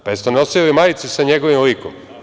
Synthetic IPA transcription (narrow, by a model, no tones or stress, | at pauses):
pajest̪oneosielimajt̪sisaɲeɡoʋimlikom